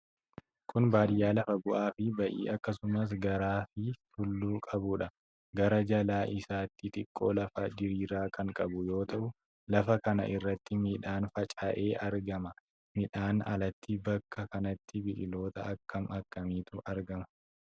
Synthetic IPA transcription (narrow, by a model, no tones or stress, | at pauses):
kʰʊnbaːᶑɪjaːlɐfɐɡʊʔaːfɪbɐʔḭːɐkːɐsʊmɐs̬ɡɐɾaːfɪt̪ʊlːuːkʼɐbʊᶑɐ | ɡɐɾɐd͡ʒɐlaːʔɪsaːt̪ːɪt̪ʼɪkʼːo̞̰ːlɐfɐd͡ʒɪɾiːɾaːkɐŋkʼɐbʊjo̞ːt̪ɐʔʊ | lɐfɐkɐnɐ̰ʔɪrːɐt̪ːɪmiːᶑaːnfɐt͡ʃʼɐʔe̞ːʔɐɾɡɐmɐ | mɪᶑaːnɐ̰lɐt̪ʰːɪbɐkʰːɐkɐnɐt̪ːɪbɪᶑɪlo̞ːt̪ɐʔɐkːɐmɐkːɐmiːt̪ʊɐɾɡɐmɐ